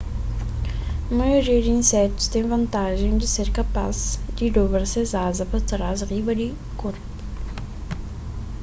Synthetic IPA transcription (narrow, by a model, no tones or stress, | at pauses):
ɐmɐjoɾiɐd̪ɪĩnsɛt̪ʊ̥st̪ẽj̃vɐ̃nt̪aʒẽj̃d̪ɪseɾkapa̰zd̪ɪd̪obɾɐsezazɐpɐt̪ɾazʁivɐd̪ɪ | koɾpʊ̥